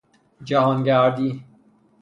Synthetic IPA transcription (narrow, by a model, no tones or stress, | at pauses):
d͡ʒæɦɒːnɟæɾd̪iː